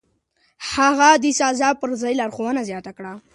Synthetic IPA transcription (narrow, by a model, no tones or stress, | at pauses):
haɣad̪isɑzɑpəɾzɑjlɑɾxowənazjɑt̪akɽa